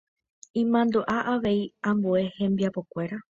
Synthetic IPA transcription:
ĩmãnd̪oʔaʔaʋe̞iãmbue̞hẽ̞mbiapo̞kʷe̞ɾa

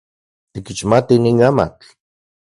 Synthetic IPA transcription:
t̪ikit͡ʃmat̪iniːnama̰k

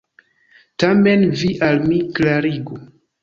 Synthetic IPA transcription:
tamenviʔalmiklaɾiɡu

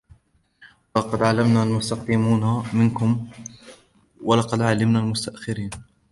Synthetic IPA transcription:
walɑqɑd̪ʕalːamnaːlmʊst̪ɑqd̪ɪmuːnamɪnkʊm | walɑqɑd̪ʕalːɪmnaːlmʊst̪aʔxɪɾiːn

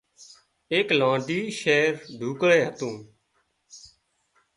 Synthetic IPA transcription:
eːklãːɖiːʃeːɾɖʱuːkɽeːɦət̪ũː

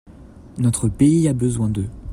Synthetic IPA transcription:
nɔt̪χəpeiabəzwɛ̃d̪ə

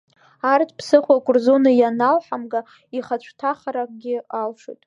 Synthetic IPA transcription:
artʰpʰsɨχʷakʷʰʼʊrzonajanalħamɡa | iχat͡ɕʷʰtʰaχaɾak̚ʼɡʲɪalʂo̰tʼ

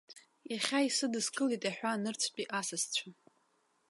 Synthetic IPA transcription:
jaχʲaisɨdɨskʼɨlitʼaħʷᶣanɨrt͡sʷʰpʼiʔasɨst͡ɕʷʰa

